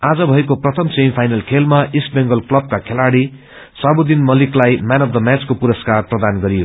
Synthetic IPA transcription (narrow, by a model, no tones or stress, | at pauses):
ad͡zʌbʱʌekoprʌt̪ʰʌmsempʰajnʌlkʰelmaisʈbeŋɡʌlklʌb̚kakʰelaɽi | sabud̪inmʌliklajmanʌfʰd̪ʌmjat͡skopuɾʌskarprʌd̪anɡʌɾijo